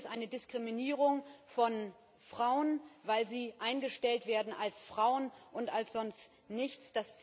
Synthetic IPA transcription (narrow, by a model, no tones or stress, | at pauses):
stʔaɪnədɪskʁ̥iminiːʁ̞ʊŋfɔn | fʁ̥aʊənvaɪlziːʔaɪnɡəʃtɛltv̥eːɐdn̩alsfʁ̥aʊənʔʊntalsz̥ɔnst | nɪçt͡sd̥ast͡s